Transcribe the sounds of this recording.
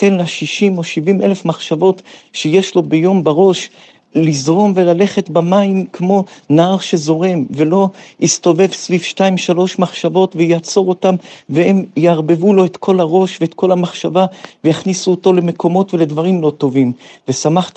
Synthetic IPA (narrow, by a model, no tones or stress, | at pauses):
tenlaʃiʃimo̞ʃivimelefmaχʃavo̞tʃejeʃlo̞bejo̞mbaʁo̞ʃ | lizʁo̞mvelale̞χe̞tbamaimkmo̞naaʁʃe̞zo̞ʁe̞mve̞lo̞ist̪o̞ve̞vsvivʃtaimʃalo̞ʃmaχʃavo̞tvejat͡so̞ʁo̞tamvee̞mjeaʁbe̞vulo̞et̪kʰo̞laʁo̞ʃveːt̪kʰo̞lamaχʃavavejaχnisuoto̞lemekʰo̞mo̞tve̞le̞dvaʁimlo̞to̞vimve̞samaχt